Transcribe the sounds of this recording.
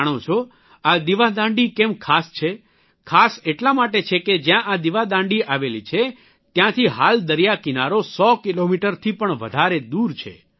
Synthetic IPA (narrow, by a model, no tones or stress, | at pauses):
ɽ̃ot͡ʃʰo | ad̪iʋad̪ãɳɖikemkʰast͡ʃʰe | kʰaseʈlamaʈet͡ʃʰeked͡ʒjãʔad̪iʋad̪ãɳɖiʔaʋelit͡ʃʰe | t̪jãt̪ʰiɦald̪əɾijakinaɾosɔkilomiʈəɾt̪ʰipəɳʋə̰d̪ʱaɾed̪uɾt͡ʃʰḛ